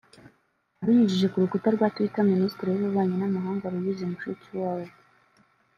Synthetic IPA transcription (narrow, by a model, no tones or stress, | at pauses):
aɾiɲiʒiʒe̞kuɾukutaɾɡwaːtuitaministɾiuβuβaːɲenamaɦaːŋɡaɾujizimuʃuciwaːwo